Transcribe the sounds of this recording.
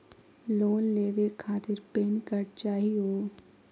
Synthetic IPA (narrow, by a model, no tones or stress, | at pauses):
loːnleːʋekʰaːt̪ɪɾpeːnkəɾt͡ʃaːɦiɦoː